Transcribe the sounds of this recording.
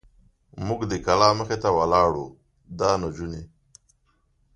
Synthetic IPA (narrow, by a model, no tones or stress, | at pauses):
mʊɡd̪ekalɑːməxet̪awalɑːɽu | d̪ɑːnad͡ʒune